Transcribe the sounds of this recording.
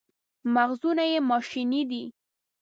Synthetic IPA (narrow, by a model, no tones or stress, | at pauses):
maɣzunajemɑʃinid̪i